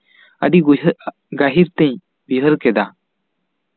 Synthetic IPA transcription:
əɖiɡu | ɡaɦiɾt̪ɛ̃ɲ | biɦəɾkɛd̪a

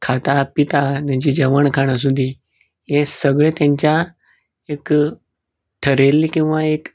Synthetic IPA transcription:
kʰat̪apit̪at̪ãɲt͡ɕid͡ʑəʋəɳkʰaɽ̃as̬ud̪ʱi | esəɡɭet̪jãɲt͡ɕa | ek | ʈʰəɾelkĩw̃ʋaek

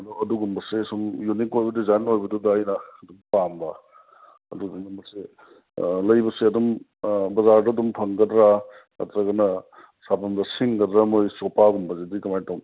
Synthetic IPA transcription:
ɐdɔɐduɡumbɐsesumjunikojbɐduzanojbɐdudajnɐɐdumpambɐ | ɐ̰duɡumumbɐse | lɐjbɐseɐdum | bɐzaɾdɐdumpʰɐŋɡɐdɾa | a̰tɾɐɡɐnɐ | sabɐndɐsiŋɡɐdɾamojsɔpaɡumbɐzedikɐmajtawn

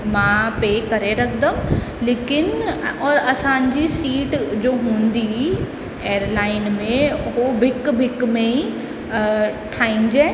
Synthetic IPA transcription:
mãpeːkɐɾeɾɐkʰd̪ə̃leːkɪnɔːɾɐsãɲd͡ʑisiːʈd͡ʑoːɦũːnd̪i | eːəɾlaːɪnmẽɦobʱɪkbʱɪkmẽi | ʈʰaːĩnd͡ʑaː

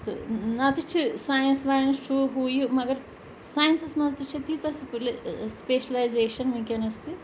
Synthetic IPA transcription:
t̪ɨ̰nat̪it͡ʃʰːisaːjɐnsʋaːjɐnsʈuːɦuːjumɐɡɐɾ | saːjɐnsɐsmɐzt̪it͡ʃʰɐt̪iːt͡sɐsplspeːʃɐlɐjzeːʃɐnmiːkɐnɐst̪i

